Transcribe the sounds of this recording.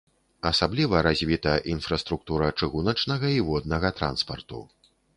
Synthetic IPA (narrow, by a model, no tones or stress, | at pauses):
ɐsablʲivɐɾazʲvʲit̪ɐjʔinfɾɐst̪ɾuk̚t̪uɾɐt͡ʂɨɣunɐt͡ʂnɐɣɐivɔd̪nɐɣɐt̪ɾa̰nspɐ̰rt̪ṵ